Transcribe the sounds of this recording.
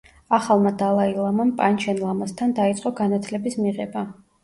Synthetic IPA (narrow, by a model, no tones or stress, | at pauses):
aχalˠmad̪alˠailˠamampʼant͡ʃʰɛnlˠamast̪ʰand̪ait̪sʼqʼɔɡanat̪ʰlɛbismiʁɛba